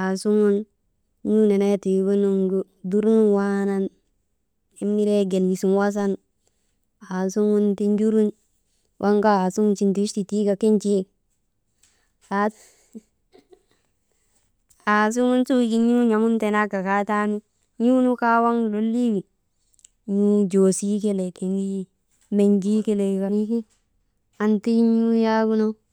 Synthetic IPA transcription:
a˨su˦ŋu˦n | ɲu˦ne˨na˦ti˨bu˦nu˦ŋɡu˦ | du˦ɾu˦nwa˦na˦n | i˦m˦ni˦ɾe˦ɡe˨lji˨su˨nwa˦s̬a˦n | a˨su˦ŋu˦nti˦nd͡ʒu˦ɾu˦n | wʔa˦ŋka˦a˨su˦ŋu˦nt͡ʃi˨˦nti˨˦ti˨ti˦ka˨ki˦ɲt͡ʃe˦ | a | a˨s̬u˦ŋu˦nsu˦˨ki˦ɲu˦ɲa˨mu˦nte˨na˦ɡa˨ka˦ta˦nu˦ | ɲu˦nu˦ka˦wa˦ŋlo˦lːi˦wi˨ | ɲu˦d͡ʒo˨si˦ke˦le˨ti˨ŋɡi˦ | me˨ɲd͡ʒi˦ke˦le˨ka˨ni˦ki˦ | a˨nti˦ɲu˦ja˦ɡu˦no˦

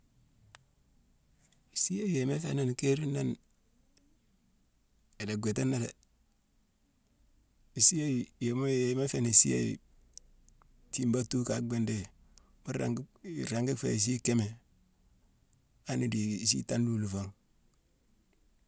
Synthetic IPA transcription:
si˦je˦je˨me˦fḛ˦na˦n˨ke˦ɾi˦na˦n | e˨le˨ɡʷe˨te˦nːa˦ɾe˨ | i˨si˦je˦je˨m˦e˨˦me˦fe˦ni˨sḭ˦jḛ˦˨ḭ˨ | ti˦mba˦tu˦ka˨ɡ͡be˦nde˦ | mu˦ɾa̰˨ŋɡɾa˨ŋɡi˦fḛ˨s̬i˦ke˦me˨ | a˦ni˨di˨s̬ḭ˦ta˦ndu˨lu˨fo˦ŋ

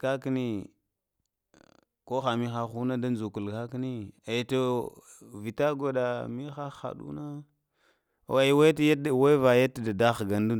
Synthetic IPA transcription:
ka˦ki˦ni˦ | ko˦xa˨mi˦xa˦xu˦na˦da˦nzu˨ku˨lɣa˦ki˦ni˦e˨jto˨ | vi˨ta˦ɡa˨da˨mi˦xa˦xa̰˨ɗṵ˦na˦˨ | a˨jwa˦tja˦˨wa˦va˨ja˦tda˨da˦xɡa˨ndu˦

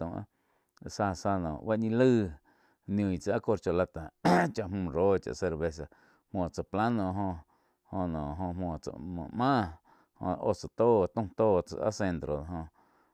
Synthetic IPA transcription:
ũ˧˨ʔa̰˦˧ | sa˧sa˧nɔ̰̃ː˨ʔba˦ʔɲĩ˧lɨː˦ | nj̃ũ˨i˨t͡sa˧a˦ko˧ɾt͡ʃo˧la˧t̪a˨t͡ʃa˧ʔmũ˧˨ɾoː˦t͡ʃa̰˨ʔse˧ɾβe˧s̬a˧ | mõ˧˨t͡sa˨pla˦nõ˧˨ɦõ˧ | hõ˧nɔ̃ː˨ɦõ˧mɔ̃ː˧˨t͡sa̰˧˨mõ̰˨mãː˦ | hõ̰˧o˧˨t͡sa˨t̪oː˦t̪ũ˦˧t̪oː˦t͡sa̰˧ʔa̰˦se˧nt̪ɾo˨˧ɦõ˧

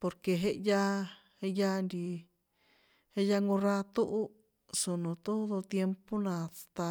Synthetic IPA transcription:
po˧ɾke˧ɦe˧ʔja˦˧ | he˧ja˦˧nd̪i˧ | he˧ja˧ŋɡõ˧ɾa˧t̪u˦ʔu˦ | su˨nõ˨t̪o˦ðo˧t̪je˧mpo˦nã˧t̪a˧

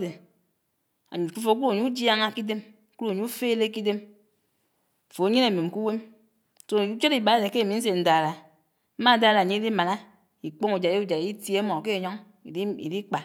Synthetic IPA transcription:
de˨ | a̰˨ɲu˨fu˦fo˨˦ku˦u˦˨ɲu˦u˦d͡ʒja˦ŋa˦ki˦de˦m˨ | ku˦ɾu˦˨ɲu˦u˦feː˦le˦ki˦de˦m˨ | fo˨˦ɲe˦ne˨me˨m̩˨ku˦we˦m˨ | so˦˨u˦t͡ʃo˦ɾi˨ba˨˦de˨ke˦˨mi˨˦n̩˦s̬e˨n̩˨da˨ɾa˨ | m̩˦ma˦˨da˦˨ɾa˨ɲi˦i˦di˦ma˨na˦ | i˨k͡po˦ŋu˨d͡ʒa˨˦e˦u˦˨d͡ʒa˨i˦tje˦mɔ˨ke˦˨ɲɔ˦ŋ˨˦ | ḭ˨di˦k͡pa˨

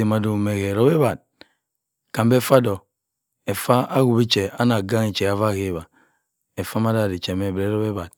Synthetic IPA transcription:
e˨ma˨do˨me˨ɣe˨ɾo˦be˦ba˨d̚ | ka˨mbe˦fa˦dɔ˨ | e˨fa˦a˦ɣu˨bi˦t͡ʃe˨a˦na˨ɡa˦ŋe˨t͡ʃe˨a˨va˦˨ke˦˨ba˨ | e˨fa˦ma˦da˦˨ɾi˨t͡ʃe˨me˨bɾe˨˦ɾɔ˦be˦ba˨d̚

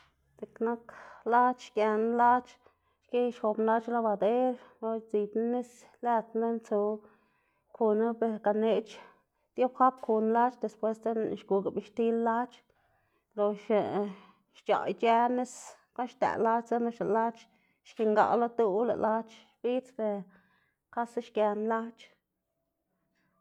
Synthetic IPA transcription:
se˧kna˦kla˦t͡ʃʃkʲe˧n˦la˦t͡ʃ | ʃke˦jʃxo˧bnla˦t͡ʃla˦ba˧d̪e˦ɾlo˧t͡si˧t̪na˦ne˦s | læ˦˧t̪na˦nt͡so˧ | kʰu˧na˦be˧ɾka˧ne˧t͡ʃ | t̪jo˦bxa˦pku˧nla˦t͡ʃd̪e˨spwe˦st̪e˦n˨ʃɡu˨˧ɡa˨bi˧ʃt̪i˦lːa˦t͡ʃ | lo˨ʃ | ʃt͡ʃa̰˨jt͡ʃe˦ne˦s | ko˦nʃt̪æ̰˨la˦t͡ʃt͡sa˦na˦ʃa˨la˦t͡ʃ | ʃki˧ŋɡa̰˨˧la˦t̪u˦wlḛ˨lʔa˦t͡ʃʃb̥i˦t͡sbe˧ | ka˦sa˦ʃkʲa˧nla˦t͡ʃ

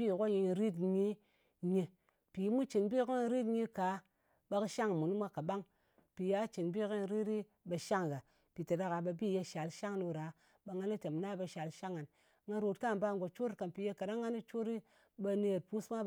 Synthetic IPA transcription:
i˦˨ko˦ji˧ɾi˦tɲi˦ | ɲe˧ | pi˨˦mu˦t͡ʃi˨nbi˦ki˦n˦ɾi˦tɲi˦ka˨˦ | ba˧kɨ˦ʃa˦ŋ˨mu˨n˦mʷa˦ka˨ɓa˦ŋ | pi˨ja˨˦t͡ʃi˨nbi˦ki˦n˧ɾi˦ɾi˦ | ba˧ʃa˦ŋ˨ɡa˨ | pi˨ta˨da˧ka˨ba˧bi˦˨je˧ʃa˨lʃa˦ŋno˧ɾa˨˦ | ɓa˧ŋa˦ni˦te˨mna˦ba˧ʃa˨lʃa˦ŋa˨n | ŋa˧ɾo˧tka˦˨ba˦ŋ˨ɡo˨t͡ʃo˦ɾka˨npi˨je˧ka˨da˦ŋːa˦ni˦t͡ʃo˦ɾi˦ | ɓa˧ne˧˨ɾpu˦sma˦

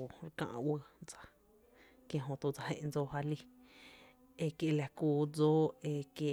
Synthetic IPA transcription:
o˨ɾkã̰˧ʔwə˧d͡za˧ | kjẽ˧ɦõ˧t̪u˧d͡za˧hḛ̃˧ʔnd͡zoː˧ha˧li˦˧ | e˧kje˧la˧kuː˧d͡zoː˦e˧kje˧

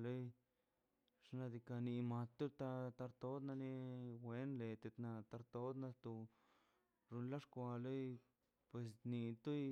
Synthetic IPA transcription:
le˦j | ʂna˧d̪i˧ka˧ni˧ma˧t̪ːu˦t̪a˧t̪a˧ɾt̪o˦d̪na˧ni˦we˦nle˨t̪e˧t̪na˧t̪a˧ɾt̪o˦d̪na˧t̪u˧ | ɾu˧nla˦ʂkʷa˧le˦j | pwe˨˧s̬ni˧t̪u˦j

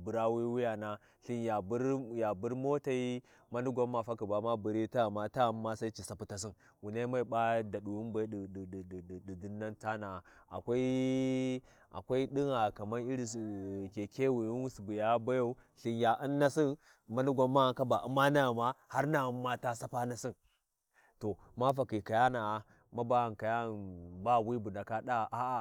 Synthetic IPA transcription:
bu˨ɾa˦wi˦wu˦ja˨na˨ | ɬi˦nja˨bu˦ɾja˨bu˦ɾmo˦ta˨i˦ | ma˦nu˦ɡʷa˦mːa˨fa˦ku˨ba˨ma˦bu˨ɾi˦ta˦˨ma˦ta˦˨mːa˦sa˦i˦t͡ʃi˨sa˨pu˨ta˨s̬i˦n | wu˨na˦ma˦i˨ɓa˦da˨ɗu˨wu˦nba˦ddu˨du˦nːa˦nta˦na˨a̰˨kʷa˦i˦ | a̰˨kʷa˦i˦ɗi˦ŋa˨ka˨ma˦ni˦ɾi˨ske˨ke˦wi˨i˦n˦si˨bu˨ja˦ba˦ja˦u˦ɬi˨nja˨ʔi˦nːa˦si˦n | ma˦nu˦ɡʷa˨mːa˦˨ka˦ba˨ʔu˦ma˦na˦˨ma˦ha˦ɾna˨ma˦ta˦sa˦pa˦na˦˨si˦n | to˨ | ma˦fa˨ki˨ka˨ja˦na˨a˨ | ma˦ba˦˨n˨ka˨ja˦˨nba˦˨wi˦bu˨nda˨ka˦ɗa˦˨ʔa˦a˨

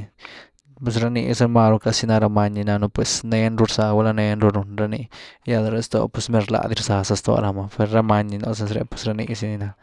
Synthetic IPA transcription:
pe˧s̬ɾa˧nḭ˧se˧ma˧ɾo˧ka˧si˧na˧ɾa˧ma˧ɲi˧na˧no˧pwe˧sne˧nɾu˧ɾsa˧wa˧la˧ne˧˦nɾu˧ɾu˧nɾa˧ni˧ja˧d̪a˧ɾe˧˦st̪o̰˧˨pwe˧sme˧ɾla̰˧d̪i˧ɾsa˧sa˧st̪o̰˧ɾa˧ma˧pe˧ɾɾa˧ma˧ɲi˧no˧se˧ns̬ɾḛ˧pwe̥˧sɾa˧nḭ˧si˧ni˧na˧

